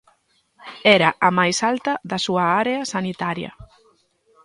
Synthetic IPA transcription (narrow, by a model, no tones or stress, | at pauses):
ɛɾaʔamajsalt̪ɐðɐsuaaɾeasanit̪aɾjɐ̰